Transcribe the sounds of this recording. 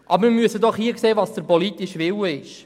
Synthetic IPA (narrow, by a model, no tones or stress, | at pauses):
ʔɑbəmɪɾmyəsəd̪ɔχhiːəkseːvɑsd̥̪əɾpɔlit̪ɪʃʋɪwəɪʃ